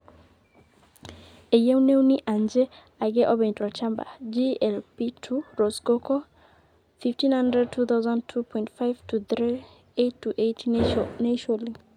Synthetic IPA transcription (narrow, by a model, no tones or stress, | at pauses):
ejɛwnewniʔand͡ʒɛ | aɡɛʔɔbɛ̃ntɾɔt͡ʃamba̰d͡ʒiɛlpitʰuɾɔsɡokɔ | fiftĩnhandɾɛd̚tʰut̪awzãntʰupʰɔ̃j̃ntfajv̥tuθɾi | etːuʔetnɛʃɔli